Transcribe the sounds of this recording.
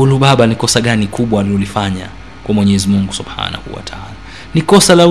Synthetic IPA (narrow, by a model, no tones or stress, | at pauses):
uluɓaɓanikɔsaɠanikʰuɓwaniulifaɲa̰ | kwamwɛɲɛɛzimuŋɡusubha̰ːna̰hṵwa̰tʰaaːla | nikɔsala